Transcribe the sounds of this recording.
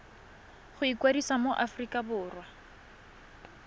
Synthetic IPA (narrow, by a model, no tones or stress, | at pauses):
χʊikwadisamoʔafrikʼabʊːrwa